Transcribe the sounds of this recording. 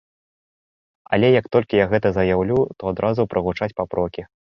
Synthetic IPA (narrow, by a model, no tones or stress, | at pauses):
ɐlʲɛjɐkt̪ɔlʲkʲijaɣɛt̪ɐzɐjawlʲut̪ɔad̪ɾʔazupɾʔɐɣut͡ʂat͡sʲpapɾʔɔkʲi